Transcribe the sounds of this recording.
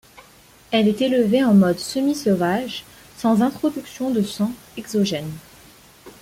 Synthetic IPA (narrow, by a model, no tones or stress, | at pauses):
ɛlɛt̪eləveɑ̃mɔd̪səmisɔvaʒ | sɑ̃zɛ̃t̪χɔd̪yksjɔ̃d̪əsɑ̃ | ɛɡzɔʒɛn